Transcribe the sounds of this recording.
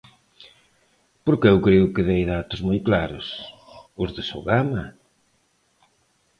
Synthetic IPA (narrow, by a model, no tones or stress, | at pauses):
poɾkɪewkɾeʊkɪðejðat̪ʊzmojklaɾʊsʊzðɪso̰ɣamɐ